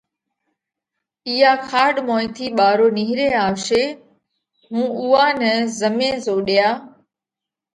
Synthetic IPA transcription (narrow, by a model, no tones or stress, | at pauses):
iːaːkʰaːɗmõːɪ̃t̪ʰiːɓaːɾoːniːɦɾeːaːʋʃeː | mũːuːaːnəzəmẽːzoːɗɪjaː